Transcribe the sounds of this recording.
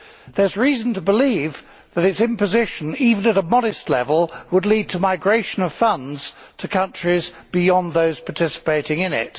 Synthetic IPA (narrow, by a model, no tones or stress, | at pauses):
ðə˞zɹizn̩tʰəbəliv | ðɨɾɨtsɨ̃mpɨzɪʃɨ̃nivə̃nəɾəmɑɾɨstˡlɛ̰vəlˠwədˡlid̚tʰəmaɪɡɹeɪʃɨ̃nʌv̥fʌ̃ndz̥tʰɨkʰʌ̃nt͡ʃɹ̥iz | b̥ɪjɑ̃nðoʊz̥pʰɑtʰɪsə̥peɪɾɪ̃ŋɨ̃nɪ̰t̚